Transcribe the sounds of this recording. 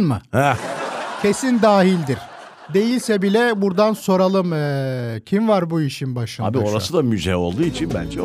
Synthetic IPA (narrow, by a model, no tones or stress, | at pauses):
nmɯhɛcʰe̞sind̪aːɦilʲd̪iɾ̥ | d̪e̞jilʲsɛbilʲɛbuɾd̪anso̞ɾalˠɯmɯcʰimvaɾbuiʃinbaʃɯnaːbio̞ɾasɯd̪amyzɛo̞̰lˠd̪uːit͡ʃʰinbæ̰nd͡ʒɛ